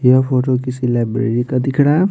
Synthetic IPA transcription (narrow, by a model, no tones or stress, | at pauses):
japʰoːʈokisilaːjbɾḛːɾikad̪ɪkʰɽa